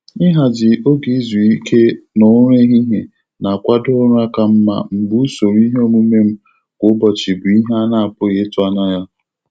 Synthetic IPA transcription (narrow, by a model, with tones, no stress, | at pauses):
ɪ˦ɦa˨d͡ʒɪ˨o˦ɡi˨˦zu˨i˦kʰe˦no˨˦ɾe˦ɦi˦ɦe˨ | na˨kʷa˦dʊ˦ɾa˦ka˨m̩˦ma̰˦m̩˨bu˦so˨ɾi˦ɦo˦mu˦me˦m̩˦ | ɡʷʊ˦bɔ˨t͡ʃɪ˨bʊ˨i˦ɦa˦na˨a˨pʊ˦ɣe˨˦tʊ˦a˦na˦ja˦